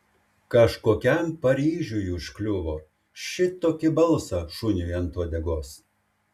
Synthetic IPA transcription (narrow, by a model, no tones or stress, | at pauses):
kɐʃkoːkʲɛmpɐɾʲiːʒʲujuːʃkʲlʲʊʋoː | ʃʲɪt̪oːkʲɪbɐlˠsɐʃʊnʲʊjɛnt̪uɔd̪ʲɛɡoːs